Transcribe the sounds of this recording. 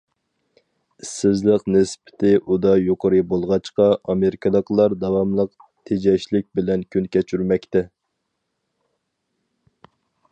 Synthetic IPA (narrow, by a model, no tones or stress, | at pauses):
isːɪzlɪqnɪsbɪ̥t̪ʰɪʔud̪ɑjoqʰəɾɨbolˠʁɑt͡ʃqɑʔɑmeɾɪkʰɑlˠəqlˠɑɾd̪ɑwɑmlˠəq̚t̪ʰed͡ʒɛʃlɪk̚ʲbɪlɛnkʲʰynkʲɛt͡ʃʰyɾmɛkʲt̪ɛ